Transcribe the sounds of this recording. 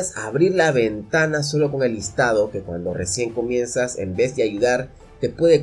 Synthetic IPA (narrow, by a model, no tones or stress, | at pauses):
saβɾiɾlaβe̞nt̪anas̬o̞lo̞ko̞ŋe̞list̪að̞o̞ke̞kwa̰nd̪o̞re̞sje̞ŋko̞mje̞nsase̞̰mbe̞zd̪e̞aʝuðaɾ | t̪e̞pwe̞ðe̞